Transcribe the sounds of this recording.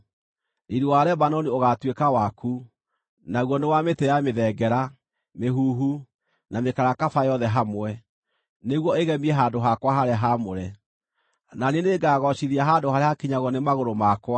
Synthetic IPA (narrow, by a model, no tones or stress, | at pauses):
iɾuwaɾɛbanɔnioɣatwekawaku | naɣwɔnewametɛjameðɛɡɛɾa | meɦuːɦu | namekaɾakafajɔðɛɦamwɛ | neɣwɔeɣɛmiɛɦandoɦakwaɦaɾeaɦamoɾɛ | naneneɡaːɣɔɕiðiaɦandohaɾehakiɲaɣɔnemaɣoɾomakwa